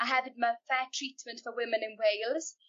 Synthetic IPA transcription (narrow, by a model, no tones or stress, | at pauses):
aɦɛvɪd̚məfɛːtʰɹ̥iːtmə̃ntfəwɪmɪ̃nɪ̃nwejlˠz̥